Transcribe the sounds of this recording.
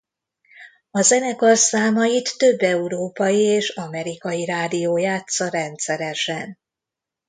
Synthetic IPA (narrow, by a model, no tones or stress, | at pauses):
ɒzɛnɛkolsaːmɒjit̪ːø̞bːɛuɾoːpɒjieːʃɒmɛɾikɒjiɾaːd̪ijoːjaːt̪sɒɾɛnt̪sɛɾɛʃɛn